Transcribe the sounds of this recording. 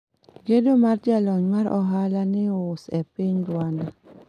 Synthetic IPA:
ɡedomard͡ʒalɔɲmaɾʔɔ̰ɦalanɪʊsɛpɪɲdwana

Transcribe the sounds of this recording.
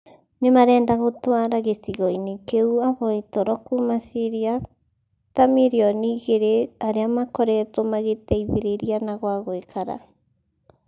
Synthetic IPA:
nemaɾɛːndaɣotwaɾaɣesiɣoinikeuaβoitoɾɔkumasiɾia | t̪amiɾiɔniːɣeɾeaɾeamakoɾɛt̪omaɣeteiðeɾeɾianaɣwaɣoekʰaɾa̰

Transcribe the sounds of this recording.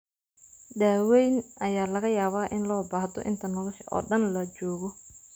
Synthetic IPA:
ɗaːwɛjnʔɐjaːlɐɣɐjaːβaːʔɪnlɔːbaːhd̪ɔ̰ʔɪ̰nt̪ʰɐnɔlɔʃʔɔ̰ːɖɐnlɐt͡ʃɔːɣɔ

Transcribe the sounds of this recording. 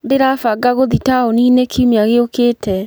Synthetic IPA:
deɾafaɡaɣoðitaoninekʰiumeaɣeokeːtɛ

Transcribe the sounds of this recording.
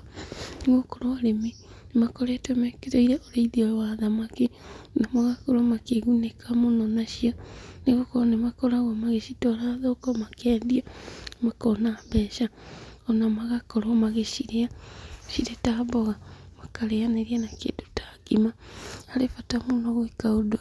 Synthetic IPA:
neɣokoɾoaɾeme | nemakɔɾeatwɛmɛkeɾoiɾɛʔoɾeiðiɔwaðamakenamaɣakoɾɔmakeɣunekʰamonɔnaʃianeɣokɔɾnemakɔɾaɣwamaɣeʃitɔɾaðokɔmakɛːndiamakɔnabɛʃaɔnamaɣakɔɾɔmaɣeʃiɾeaʃiɾetaβɔɣamakaɾeaneɾianakḛdotḁɡimahaɾefatamonɔɣoekaodoa

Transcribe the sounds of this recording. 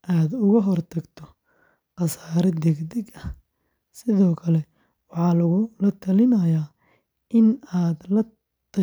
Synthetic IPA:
ʔaːd̪ʊɣɐɦɔrt̪ʰɐɡt̪ʰɔ | qɑsaːɾɛd̪ɛɡd̪ɛɡɐh | sɪðɔːkʰɐlɛ | wɑħɑːlɐɣʊlɐt̪ʰɐlɪnɐjaː | ʔɪnaːd̪lɐ | t̪ʰɐ

